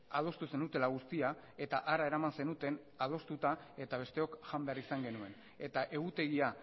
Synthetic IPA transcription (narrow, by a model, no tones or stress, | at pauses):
að̞o̞st̪use̞nut̪e̞laɣ̞ust̪ia | e̞t̪aʔaɾae̞ɾamanse̞nut̪e̞n | að̞o̞st̪ut̪ae̞t̪aβ̞e̞st̪e̞o̞kʝambe̞arisaŋɡe̞nue̞n | e̞t̪aʔe̞ɣut̪e̞ɣia